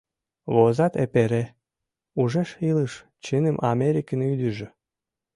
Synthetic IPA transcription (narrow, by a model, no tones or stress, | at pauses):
βozɑt̪epeɾe | uʒeʃiləʃ | t͡ɕənəmʔɑmeɾʲikənyd̪əʒø